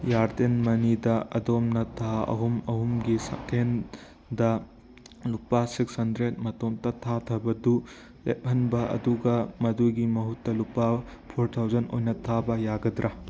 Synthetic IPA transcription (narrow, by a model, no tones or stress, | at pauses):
jaɾdenmɐnidɐɐ̰domnɐtʰaɐ̰ɦumɐɦumɡisɐ̰tʰen | dɐ | lupasikshɐndɾet̚mɐtomtɐtʰatʰɐbɐdu | lḛp̚hɐnbɐɐ̰duɡɐmɐduɡimɐɦutːɐlupapʰoɾtʰawzɐno̰jnɐtʰabɐjaɡɐdɾa